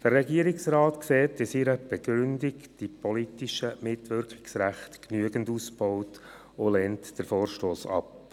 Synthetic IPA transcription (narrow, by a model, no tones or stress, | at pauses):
d̥əɾːɛɡiəɾɪksɾaːtkseːtɪsiɾəb̥ɛɡ̥ɾʏndɪkd̥ipɔlitiʃəmɪtʋʏɾkʰχɪ̥ksɾæχtknyəɡəndusb̥ɔwt | olɛːntd̥əɾfoːɾʃtoːsɑ̰p